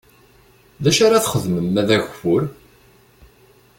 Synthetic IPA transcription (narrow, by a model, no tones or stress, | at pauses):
ðæʃaɾaθχəðməmæðæʝʷfʊɾ